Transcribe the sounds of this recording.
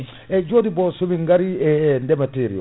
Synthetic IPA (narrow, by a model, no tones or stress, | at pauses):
ɛd͡ʒoːdibɔsumiŋɡaɾiɛndɛmateːɾḭɔ̰